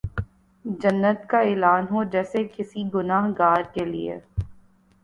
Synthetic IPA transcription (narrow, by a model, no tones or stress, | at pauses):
d͡ʒɐnːət̪kaeːlaːnɦod͡ʒɛːsekɪsiɡʊnaːɦɡaːɾkelḭḛ